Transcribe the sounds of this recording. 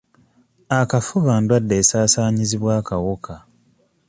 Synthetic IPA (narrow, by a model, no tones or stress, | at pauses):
akafuβaːndwadːe̞ːsaːsaːɲiziβwaːkawoka